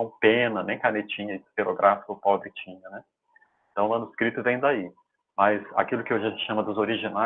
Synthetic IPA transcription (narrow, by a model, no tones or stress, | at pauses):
ɐ̃w̃pẽnɐnẽj̃kanet͡ʃĩɲɐd͡ʒst̪eɾoɡɾʔafi̥kʊpɔbɾɪkt͡ʃĩɲɐnɛ | ẽt̪ɐ̃w̃lɐ̃nʊɪskɾit̪ʊvẽj̃d̪ai | mɐza̰kilʊkɪoʒaʒẽt͡ʃ̪ɪʃɐ̃mɐd̪ʊzoɾiʒina